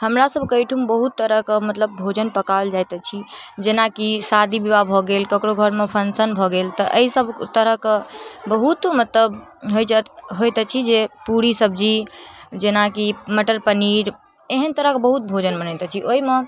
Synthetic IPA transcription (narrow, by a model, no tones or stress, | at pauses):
həmɾasəbʱkəjʈʰumbəɦut̪ːəɾəɦkemət̪ləb̚ːʱod͡ʒənpəkald͡ʒajt̪ɛt͡ʃʰid͡ʒenakisad̪ʱibibabʱɔɡelkəkɾoɡʱəɾmepʰənsənbʱɔɡelt̪ɔʔəisəbʱt̪əɾəɦkebəɦut̪mət̪ləbɦojd͡ʒət̪ɦojt̪ɛt͡ʃʰid͡ʒepuɽisəb̚ʱd͡ʒid͡ʒenakiməʈəɾpəniɾ | eɦənt̪əɾəɦkbəɦut̪̚bʱod͡ʒənbənəjt̪ɛt͡ʃʰiʔoime